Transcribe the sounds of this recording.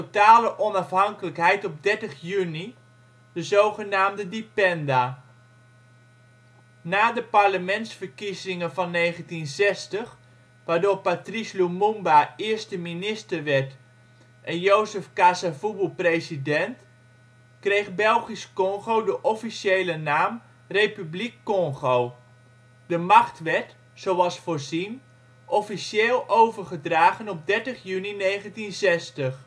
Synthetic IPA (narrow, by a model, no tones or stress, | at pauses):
otaːləʔɔnɑfɦɑŋkələkɦɛjtɔb̚dɛɹtəχjyni | dəzowχənaːmdədipɛnda | naːdəparləmɛntsfərkizɪŋəvɑnːejχəntinzɛstəχ | ʋaːɹdoːɹpatrislumumbaɪəɹstəminɪstərʋɛɹt | ʔɛnjowzəfkasavubuprejsidɛnt | krejχbɛlˠχiskɔŋχowdəʔɔfisejlənaːm | rejpyblikːɔŋχow | dəmɑχtʋɛt | sowɑlˠsfoːrzin | ʔɔfiseːlˠowvərχədraːχənɔp̚dɛɹtəχjyninejχəntinzɛstəχ